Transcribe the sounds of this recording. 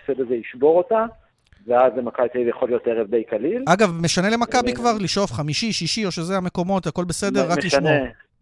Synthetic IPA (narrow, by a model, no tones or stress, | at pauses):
sed̪ezeiʃbo̞ʁota | veazlemakabitivjaχo̞ljo̞teʁevd̪ejkalilaɡavmeʃanele̞makabikvaʁliʃo̞fχamiʃiʃiʃio̞ʃe̞zeame̞ko̞mo̞t̪ako̞lbese̞de̞ʁːakmliʃmoe